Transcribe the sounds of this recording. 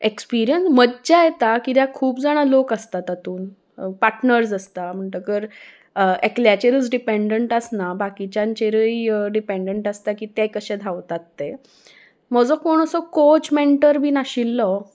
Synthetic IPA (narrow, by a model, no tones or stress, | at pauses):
ekspiɾijənsməd͡ʑajet̪akid̪jakʰuːpd͡zaɽ̃alokast̪at̪at̪uːn | paɾʈnəɾsast̪am̤əɳt̪əkəɾ | ekljat͡ɕeɾət͡sɖipeɳɖəɳʈəsnabakit͡ɕãɲt͡ɕeɾəjɖipeɳɖəɳʈast̪akiːt̪ɛ̃kəɕed̪ʱaʋt̪at̪ːe | mɔd͡zɔkoɳ̃əsɔkot͡ɕmeɳʈəɾbʱiːnaɕilːɔ